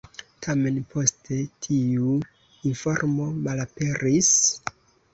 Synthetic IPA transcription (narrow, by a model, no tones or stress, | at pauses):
tʰame̞npʰo̞stʰe̞tʰiu | info̞ɾmo̞malape̞ɾis